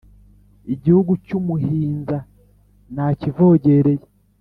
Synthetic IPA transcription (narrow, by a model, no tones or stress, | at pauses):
iɟihuɡucumuɦiːnza | nacivo̞ːɟe̞ɾeje